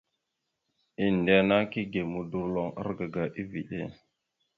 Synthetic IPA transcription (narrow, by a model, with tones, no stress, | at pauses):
i˦n˨de˨na˦ki˦ɡe˨mu˨du˨ɾlo˨ŋa̰˦ɾɡa˨ɡa˨ʔi˦vi˨ʔḛ˦˨